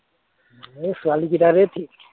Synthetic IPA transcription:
esualikit̪aɾɛt̪ʰi

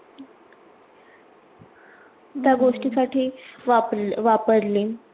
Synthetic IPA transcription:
t̪jaɡoʂʈisaʈʰiːaʋapəɾle

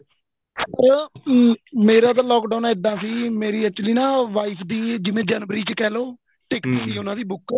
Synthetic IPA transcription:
tə | meːɾaːd̪aːlɔːkɖaːnːɪd̪ːãːsiːmeːɾiːət͡ʃliːnãːʋaːipʰd̪iːd͡ʒɪʋẽːd͡ʒɛːnʋɾiːt͡ʃkɛːloː | ʈɪkniːsiːʊnãːd̪iːbʊk

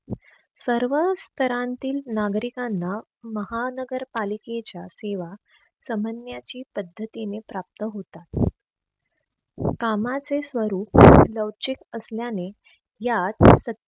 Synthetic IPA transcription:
səɾʋəst̪ʰəɾãnt̪iːlnaɡɾikanːa | məɦanəɡəɾpaliket͡ɕjaseʋa | səmənjat͡ɕiːpəd̪ʱːət̪inepɾap̚tt̪əɦot̪at̪̚ | kamat͡sesʋəɾuːp̚ləwt͡ɕikəsljane | jat̪sə

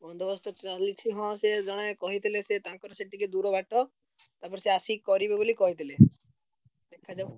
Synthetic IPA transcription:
bɔnd̪ʱɔbɔst̪ɔt͡ʃalit͡ʃʰiɦɔ̃sed͡ʒɔɽ̃akɔɦit̪ʰileset̪ãkɔɾɔseʈiked̪uɾɔbɛʈɔ | t̪apɔɾseasikɔɾibebolikɔɦit̪ʰile | d̪ekʰːad͡ʒa

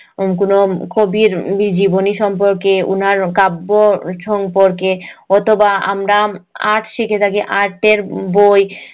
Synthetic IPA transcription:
k̬onokobiɾbid͡ʑiboniʃɔmpoɾkeṵnaɾkabːoʃɔmpoɾkeɔt̪ʰobaa̰mɾaaʈʰʃikʰet̪ʰakiʔaɾʈeɾboj

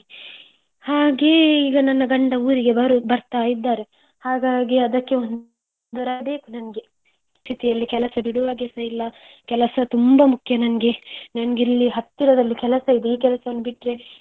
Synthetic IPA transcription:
haːɡe̞iːɡɐnɐnːɐɡɐɳɖɐuːɾiɡe̞bɐɾubɐɾt̪aːjid̪ːaːɾe | haːɡaːɡiɐd̪ɐkːe̞on | d̪uɾaɐbe̞ːkunɐnɐɡe̞ | st̪ʰit̪ijɐlːikɛlɐsɐd̪uɽuʋaːɡɛsɐilːɐ | kɛlɐsɐt̪umbɐmukʰjɐnɐnɐɡe̞nɐnɐɡilːiɦɐt̪ːiɾɐd̪ɐlːikɛlɐsɐid̪eiːkɛlɐsɐʋɐnːubiʈːɾe̞

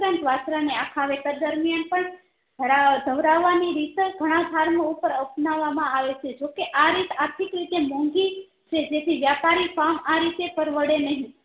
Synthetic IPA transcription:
ɾənt̪ʋasɾaneakʰaʋet̪ad̪əɾmijanpəɳ | ad̪ʱəʋɾaʋːaniɾit̪ɡʱəɽ̃ãɡʱaɾmaupəɾəpnaʋːamãaʋet͡ʃʰed͡ʒokeʔaɾit̪aɾt̪ʰikɾit̪emɔ̃ŋɡi | t͡ʃʰed͡ʒet̪ʰiʋjapaɾifamaɾit̪epəɾʋəɽenəɦĩ

